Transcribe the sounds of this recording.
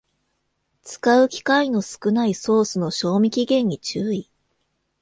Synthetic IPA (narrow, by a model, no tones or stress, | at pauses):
t͡sɨ̥kaɯ̟kʲi̥kaino̞sɨ̥kɯ̟naiso̞ːsɨno̞ɕo̞ːmʲikʲiɡẽ̞ɲ̟ːit͡ɕɨːi